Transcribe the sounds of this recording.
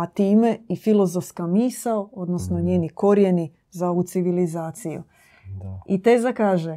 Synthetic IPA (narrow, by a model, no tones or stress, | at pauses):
at̪iːmeifilˠo̞zofskamiːsaoo̞d̪no̞snoɲeːniko̞ɾje̞ni | zaut̪siʋilizaːt̪sijṵ | it̪eːzakaːʒe